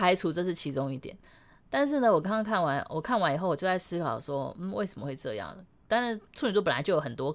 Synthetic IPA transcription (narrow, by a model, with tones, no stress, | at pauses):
a˧˥ɪt͡sʰu˧˥t͡sɤ˥˧ʂ̬ɻ̩˥˩t͡ɕʰi˧˥t͡sʊ˥ŋi˥˩t̪jɛ̰˨˦n | t̪a˥˧nʂ̬ɻ̩˥˩nə˨˩wɔ˨˩kɑ˥ŋɑ˥ŋkʰa˥˩nwa˧˥nwʔɔ˨˩kʰa˥˩nwa˧˦˥ni˨xo˥˩ɔ˨˩t͡ɕjo˥˧t͡sa˥˩sɹ̩˥kʰɑ˨˩ʊʂwɔ˥m̩˥˩we˥˩ɪʂə˧˥mə˦xwe˥˧ɪʈ͡ʂɤ̰˥˧jɑ̰˥˩ŋ˩ | t̪a˥˧nɻa˥˧t͡sʰu˥˩ny˨˥t̪u˥˩pə˨˩la̰˧˦t͡ɕo˥˩ʊjo˨˩xə˨˩nt̪wɔ˥